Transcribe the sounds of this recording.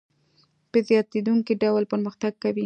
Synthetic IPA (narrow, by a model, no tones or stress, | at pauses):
pəzjɑt̪ed̪uŋkiɖawlpəɾməxt̪aɡ̚kawi